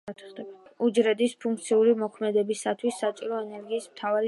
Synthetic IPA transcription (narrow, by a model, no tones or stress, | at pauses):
at̪ʰχd̪ɛbud͡ʒɾɛd̪ispʰuŋk̚ʰt̪sʰiuɾimɔkʰmɛd̪ɛbisːat̪ʰwisːat͡ʃʼiɾɔɛnɛɾɡiːsmt̪ʰavaɾi